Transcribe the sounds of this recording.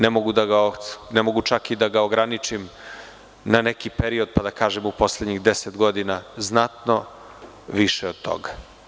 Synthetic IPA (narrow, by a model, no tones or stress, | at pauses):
nemoɡud̪aɡaonemo̞ɡut͡ʃakid̪aɡaoɡɾanit͡ʃim | nanekipe̞ɾio̞d̪̚pad̪akaːʒemupo̞sled̪ɲiɣd̪e̞set̪ɡo̞d̪inaznat̪no̞ | ʋiʃeo̞d̪̚t̪o̞̰ɡa